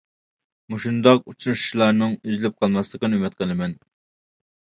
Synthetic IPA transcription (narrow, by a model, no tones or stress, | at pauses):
muʃund̪ɑq̚ut͡ʃʰunuʃu̥ʃlˠɑɾnɨŋyzlɪp̚qʰɑlˠmɑslˠəqənɨymɪt̪qʰəlˠɨmɛn